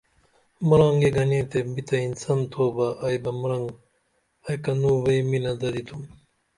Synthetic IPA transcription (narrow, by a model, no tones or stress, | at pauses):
mɐɾãːŋɡeɡɐnẽːt̪ebit̪ɐinsɐnt̪ʰoːbɐʔːjbɐmɾɐŋɡ | ɐjkɐnuːʋɐimilɐd̪ɐd̪it̪ʰum